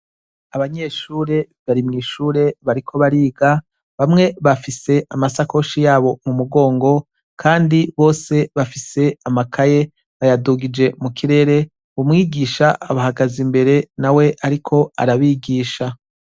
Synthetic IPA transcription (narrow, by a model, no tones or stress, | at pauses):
aβaɲe̞ːʃuːɾe̞ | βaɾimŋiːʃuːɾe̞βaɾikʰo̞βaɾiːɡa | βamŋe̞βafise̞ʔamasako̞ʃijaːβo̞mumuɡo̞ːŋɡo̞ | kʰaːndiβo̞ːse̞βafise̞amakʰaje̞ | βajaduɡid͡ʒe̞mukʰiɾe̞ːɾe̞ | βumŋiːɡiːʃaːβahaɡazimbe̞ɾe̞nawe̞ʔaɾikʰo̞a̰ɾaβiːɡiːʃa